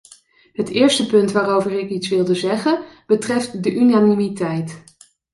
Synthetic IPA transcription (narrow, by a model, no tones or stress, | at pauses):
ɦətɪːɹstəpɵntʋaːrowvərɪkitsʋɪlˠdəzɛχənb̥ətrɛftdəʔynanimitɛjt